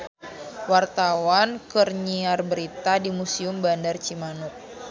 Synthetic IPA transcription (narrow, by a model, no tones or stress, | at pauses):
wart̪awankərɲiarbəɾit̪adimusiʊmbandart͡ʃimanʊk̚